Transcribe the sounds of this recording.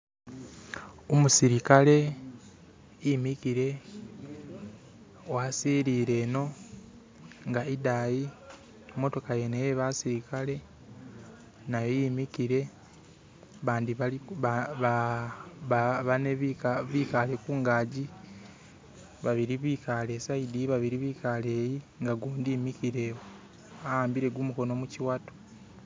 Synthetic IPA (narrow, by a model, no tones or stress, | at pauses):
omusiɾikale̞ | jimikiɾe̞ | owasiːɾiːɾe̞ːno̞ | ŋɡaidaji | mo̞to̞kaje̞nejeβasiɾikale̞ | najojimikiɾe̞ | βaːndiβa | a | aβaneββiːkale̞kuːŋɡaːɟi | βaβiɾiβikale̞saidiβaβiɾiβiːkʰaleːji | ŋɡaɡoːndiːmikiɾe̞wo | ahaːmbiɾe̞ɡumuko̞no̞muciwatu̥